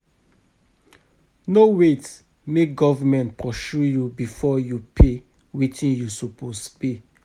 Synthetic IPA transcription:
nowet | meɡɔvmɛ̃ntpɾɔʃujubifɔjupʰe | witĩnjusopospe

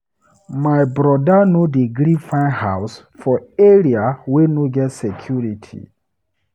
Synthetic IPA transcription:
maɪbɾɔdanodeɡɾifãɪnhaws | fɔeɾiawenoɡɛtsɛkʰjuɹitʰḭ

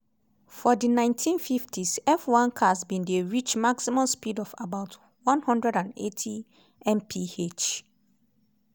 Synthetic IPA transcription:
fɔdinãɪ̃ntʰĩnfiftʰisɛfwãnkʰas̬bĩndeɹit͡ʃmaksimɔ̃mspidɔfabaʊt | wãnhɔ̃ndɹɛɾãnḛtʰi | ɛ̃mpʰiet͡ʃ

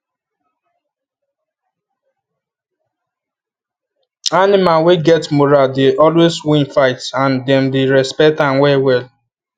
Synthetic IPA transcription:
anɪmaweɡɛtmoɾadeʔɔlweswĩnfaɪtãndɛ̃mdeɾɛspɛk̚tãnwɛwɛl

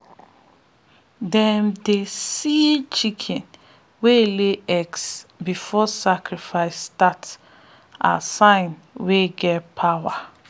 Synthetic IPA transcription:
dɛmdesit͡ʃikʰɛ̃n | weleɛksbifɔsakɾifaɪsːtat | a̰sãɪ̃n | weɡɛtpʰawa

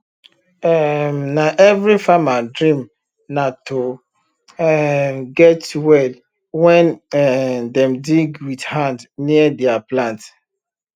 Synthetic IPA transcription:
ɛmnaʔɛvɾifamadɾĩm | nato | ɛɡɛtwɛl | wɛ̃n | dɛmdiɡwidhãndniədɛaplãnt

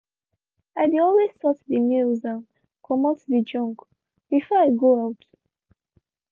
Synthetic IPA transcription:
aɪdiɔlwestɔtdimilzãn | kʰɔmatðid͡ʒɔ̃ŋk | b̥ifɔaɪɡoawt

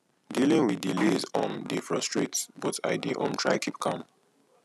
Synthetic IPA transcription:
dilĩŋwiðdilezɔ̃ndifɹɔstɹetsbɔta̰ɪdiʔɔ̰̃ntʰɹa̰ɪkʰip̚kʰãm

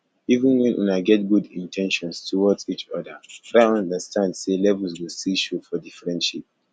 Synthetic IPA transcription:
ivə̃nwɛ̃nʔṵ̃naɡɛt̚ɡudĩntʰɛ̃nʃɔ̃nstʰuwɔt͡ʃit͡ʃɔdəɹaãndəstʰãndselɛvəlswilsiʃofɔdifɹɛ̃nʃip̚

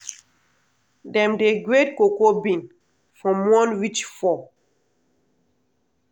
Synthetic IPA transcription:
dɛ̃mdeɡɹet̚kokobĩn | fɹɔ̃mwɔ̃nwit͡ʃfɔ

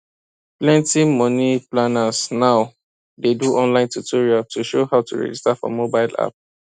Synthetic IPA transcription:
plɛ̃ntimɔniplanasnaʊ | deduʔɔ̃nlãɪ̃ntutʰoɹiatuʃohaʊtṵɹɛ̰d͡ʒistafɔ̰mobaɪla̰p̚

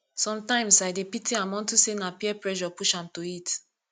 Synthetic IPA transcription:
sɔ̃mtãɪ̃msaɪdepitʰiãmɔ̃ntusenapiɛpɹɛʃɔpuʃãmtoit

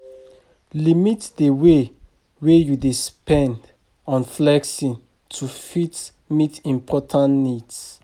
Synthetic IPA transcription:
limitdəwe | wejudispɛ̃nd | ɔ̃nflɛksĩn | tʰufit | mitĩmpʰɔtʰãnnids

